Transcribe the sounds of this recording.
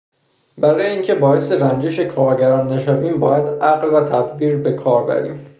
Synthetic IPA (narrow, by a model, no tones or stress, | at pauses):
bæɾɒːjeiːŋcʰebɒːeseɾænd͡ʒeʃe̞kʰɒːɾɟæɾɒːnːæʃæviːmbɒːjæd̪æɣlvæt̪ʰæd̪biːɾbe̞kʰɒːɾbæ̰ɾḭːm